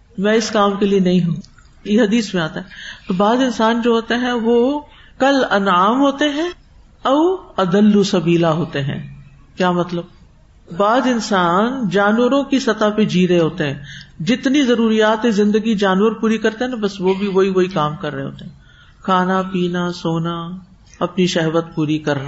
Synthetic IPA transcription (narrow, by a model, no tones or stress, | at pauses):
mɛ̃ːɪskaːmkelienɐɦĩɦũː | jeɦɐd̪iːsmẽaːt̪aɦɛt̪oːbaːzɪnsaːnd͡ʒoːɦoːt̪eɦɛ̃ʋoː | kɐlɐnaːmɦoːt̪eɦɛ̃ | ɔːɐd̪əlːusɐbiːlaɦoːt̪eɦɛ̰̃ː | kjaːmɐt̪ləb̚ | baːzɪnsaːnd͡ʒaːnwəɾõkisɐt̪aped͡ʒiːɾeɦoːt̪eɦɛ̃ːd͡ʒɪt̪nizɐɾuːɾijaːt̪ezɪ̃nd̪əɡid͡ʒaːnʋəɾpuːɾikɐɾt̪eɦɛ̃nabɐsʋobʱiʋoɦiʋoikaːmkɐɾːəeɦo̰ːt̪eɦɛ̃ː | kʰaːnapiːnasoːna | ɐpniʃɛɦʋət̪puːɾikɐɾna